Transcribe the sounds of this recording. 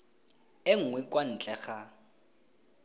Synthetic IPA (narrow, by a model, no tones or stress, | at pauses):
ɪŋ̩ŋwɛkwan̩t͡ɬʼɛɣa